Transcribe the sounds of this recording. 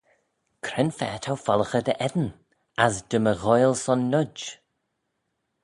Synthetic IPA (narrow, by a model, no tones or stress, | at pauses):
kʰɾɛnfɛːtʰawfɔlˠəxəd̪əʔɛd̪ən | asdəməɣɔjlˠsɔnːʊd͡ʒ